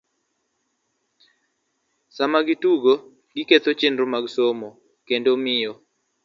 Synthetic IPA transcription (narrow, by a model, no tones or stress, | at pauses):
samaɡituɡo | ɡiket̪ot͡ʃenɾomaɡsomo | kendomɪjɔ